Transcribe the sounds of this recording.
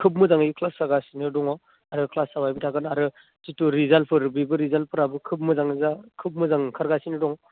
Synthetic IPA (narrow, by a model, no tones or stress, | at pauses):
kʰɯp̬̚mɯzaŋikʰlasaɾɡasinɯdɔŋɔ | aɾɯkʰlasawajbitʰakɯnaɾɯ | situɾizalpʰɯɾbibɯɾizal̚pʰɯɾabɯkʰɯp̚mɯzaŋzakʰɯp̚mɯzaŋkʰaɾɡasinɯdɔŋ